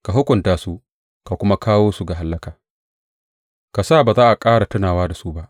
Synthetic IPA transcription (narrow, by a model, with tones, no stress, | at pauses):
ka˨ɦʊ˦kʷʊ˨ntaː˨su˦ | ka˨kʷʊ˦ma˦kaː˦woː˦su˨ɡa˨ɦa˦lːɐ˦kaː˨ | ka˨sa˦˨baː˨zaː˦ʔa˨kʼaː˦ɽa˨tʊ˦naː˨waː˦da˨su˦ba˦ʔ